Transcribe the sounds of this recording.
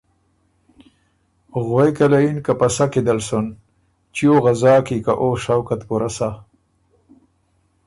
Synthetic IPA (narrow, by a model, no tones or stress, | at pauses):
ɣwejkalainkapasaked̪alson | t͡ʃioɣazɑːkikaʔoʃawkat̪puɾasa